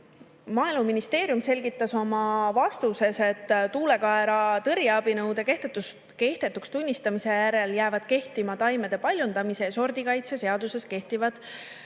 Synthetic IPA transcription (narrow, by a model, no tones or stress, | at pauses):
mɑːeluminist̪e̞ːɾjumse̞lʲɡit̪ˑːɑso̞mɑvɑst̪use̞se̞t̪ːt̪uːle̞kɑe̞ɾɑt̪ɤɾjɑɑb̥inɤwd̪e̞ke̞ht̪et̪ːus | ke̞ht̪e̞t̪ːˑukst̪unʲːist̪ɑmise̞jæɾe̞ljæːvɑd̪̥̚ke̞ht̪imɑt̪ɑjme̞d̪̥e̞pɑlʲjund̪̥ɑmise̞so̞rd̪̥ikɑjt̪sese̞ɑd̪̥use̞ske̞ht̪ivɑd̪̥